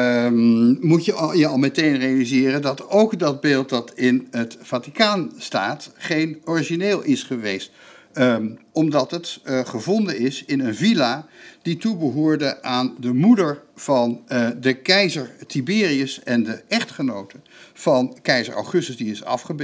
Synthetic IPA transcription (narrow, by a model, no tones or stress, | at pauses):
mutəjəɑlˠmɛtejnrejalizɪːrəndɑtowkdɑd̚beːlˠt̚dɑtɪnətfaːtikaːnstaːtχejnɔriʒineːlˠɪsχəʋejst | ɔmdɑtətχəvɔndənɪsɪnənvilad̥itubəɦʊːɹdəʔaːndəmudəɹv̥ɑndəkɛjzəɹtibɪːriəsɛndəʔɛχtχənowtəv̥ɑnkɛjzə̰ɹʔɑ̰wχɵstəsdiɪsɑ̰fχəb